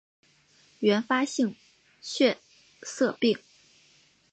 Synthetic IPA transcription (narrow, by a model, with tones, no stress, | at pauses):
ɥɛ˧˥nfa˥ɕi˥˧ŋ | ɕʰɥɛ˥˧ | sɤ˥˧pi˥˩ŋ